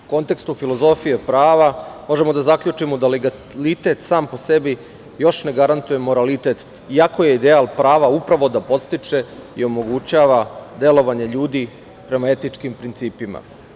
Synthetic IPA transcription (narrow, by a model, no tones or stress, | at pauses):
ko̞nt̪e̞kst̪ufilo̞zo̞fije̞pɾaːʋamo̞ʒe̞mo̞d̪azakʎut͡ʂimod̪aleɡa | lit̪e̞t̪saːmpo̞se̞bi | jo̞ʃne̞ɡaɾant̪uje̞mo̞ɾalit̪e̞t̪ | iako̞je̞id̪ealˠpɾaːʋaupɾaʋo̞d̪apo̞t̪st̪it͡ʂe̞ḭo̞mo̞ɡut͡ɕaʋad̪e̞lo̞ʋaɲe̞ʎuːd̪i | pɾe̞mae̞t̪it͡ʂkimpɾint̪siːpima̰